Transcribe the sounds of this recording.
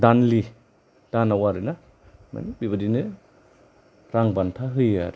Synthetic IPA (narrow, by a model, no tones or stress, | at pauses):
danli | d̥anawaɾɯna | ma̰nbibɐdinɯ | ɾaŋbantʰaɦɯja̰ɾi